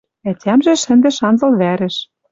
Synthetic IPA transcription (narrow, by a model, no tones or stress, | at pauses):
ætʲʰæmʒĕʃɘ̆nd̪ɘ̆ʃɑnzɤ̆lβæɾɘ̆ʃ